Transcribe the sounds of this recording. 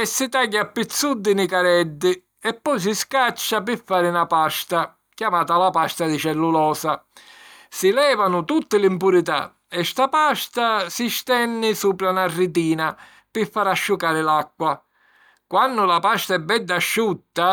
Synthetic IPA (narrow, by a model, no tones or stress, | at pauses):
ɛsːit̪aɟːapːit̪sːud̪ːɪnikaɾɛd̪ːɪ | ɛpːɔjs̬iskat͡ʃːap̬ɪfːaːɾɪnapast̪a | kjamaːt̪alapast̪ad̪it͡ʃɛlːulɔːsa | sɪlɛːvanʊt̪ut̪ːɪlimpuɾit̪a̰ | ɛst̪apast̪asist̪ɛnːɪsuːpɾanarːit̪̬iːna | pɪfːaːɾaʃːukaːɾɪlakːwa | kwanːʊlapast̪aɛbːɛd̪ːaʃːut̪ːa